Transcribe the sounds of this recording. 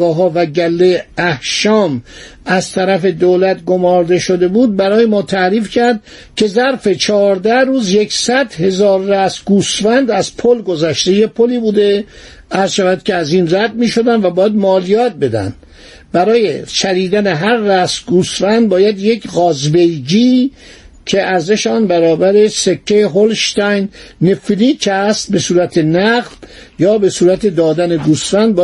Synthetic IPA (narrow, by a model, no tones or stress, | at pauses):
ɒːɦɒːvæɟælːeæhʃɒːmæzt̪ʰæɾæfe̞d̪oːlæt̪ɡo̞mɒːɾd̪e̞ʃo̞d̪e̞buːd̪̚bæɾɒːjemɒːt̪ʰæɾiːfcʰæɾd̪ | cʰe̞zæɾfe̞t͡ʃʰɒːɾd̪æhɾuːzje̞ksæd̪he̞zɒːɾːæsɡuːsfænd̪æz̥pʰolɡo̞zæʃt̪e̞jepʰoliːbuːd̪e | æɾz̥ʃævæd̪̚cʰʲeæziːnræd̪̚miːʃo̞d̪ænd̪væbɒːjæd̪mɒːlijɒːt̪̚be̞d̪æ̰nd̪̥ | bæɾɒːjeʃæɾiːd̪æne̞ɦæɾːæsɡuːsfænd̪̚bɒːjæd̪je̞kɣɒːzbejɡiː | cʰe̞æɾze̞ʃeɒːnbæɾɒːbæɾe̞sekʰːejeɦolʃt̪æjnːefiliːcʰæst̪̚besuːɾæt̪ʰenæɣdjɒːbe̞suːɾæt̪ʰe̞d̪ɒːd̪æne̞ɡuːsfænd̪̚b